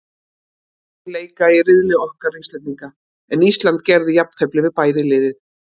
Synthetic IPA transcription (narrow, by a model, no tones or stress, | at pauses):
leːjkairɪðlɪɔhkaɾrejŋt̪lɛt̪niŋka | ɛnist̪lant̪cɛɾðɪjapnt̪ʰɛplɪvɪðpaːjðɪlɪːðɪð